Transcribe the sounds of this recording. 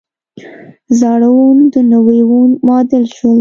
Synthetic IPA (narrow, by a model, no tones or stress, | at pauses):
zɑɽawund̪ənawewunmɑd̪əlʃwəl